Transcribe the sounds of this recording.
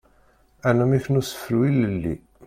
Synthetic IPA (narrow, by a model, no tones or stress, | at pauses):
ænæmiçənusə̥fəɾwiləlːḭ